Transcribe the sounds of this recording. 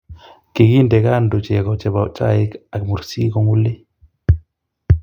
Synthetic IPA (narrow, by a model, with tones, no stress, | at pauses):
ki˨kindɛkaː˦ndo˨t͡ʃɛkɔt͡ʃɛ˨bat͡ʃa˦jika˨kmu˨ɾsi˦kɔŋu˦lːi˦